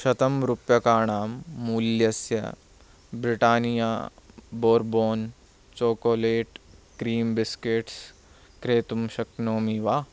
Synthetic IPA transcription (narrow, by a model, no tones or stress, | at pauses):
ʃɐt̪ɐmɾupjɐkaːɳaːmːuːljɐsjɐ̰ | bɾɪʈaːnija̰ːboːɾboːn | t͡ʃoːkoːleːʈkɾiːmbɪskeʈs | kɾeːt̪umʃɐknoːmiʋaː